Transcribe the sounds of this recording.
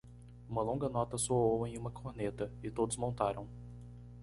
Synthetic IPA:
ũmɐlõŋɡɐnɔt̪ɐsoowẽj̃ũmɐkʰoɾnet̪ɐɪt̪od̪ʊzmõnt̪aɾɐ̰̃w̃

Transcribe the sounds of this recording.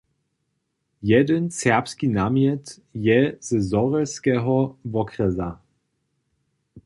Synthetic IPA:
jɛdənsɛɐpskinamjɛt | jɛz̥zɔʁɛskɛɦɔvɔkʁɛza

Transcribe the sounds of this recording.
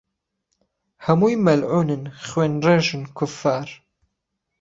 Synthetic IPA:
hɐmujmɐlʕuːnɨnχweːnrɐʒɪnkʰʊfaːr

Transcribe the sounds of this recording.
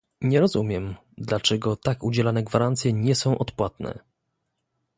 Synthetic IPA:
ɲɛɾɔzumʲjɛm | d̪lat͡ʂɛɡɔt̪akud͡ʑɛlanɛɡvaɾant̪sʲjɛɲɛsɔ̃w̃ʔɔt̪pwat̪nɛ̰

